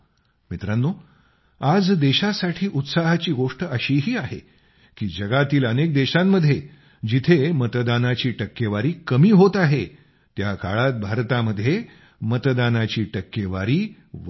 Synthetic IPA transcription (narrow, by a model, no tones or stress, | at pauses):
mit̪ɾanːo | ad͡zd̪eɕasaʈʰiːʔut̪saɦat͡ɕiːɡoʂʈəəɕiːɦiːaɦḛ | kiːd͡ʑəɡat̪iːlənek̚d̪eɕamːəd̪ʱːje | d͡ʑit̪ʰemət̪d̪anat͡ɕiːʈəkːeʋaɾiːkəmiːɦot̪aɦe | t̪jaka̰ɭat̪̚bʱaɾt̪aməd̪ʱje | mət̪d̪anat͡ɕiːʈəkːeʋaɾiː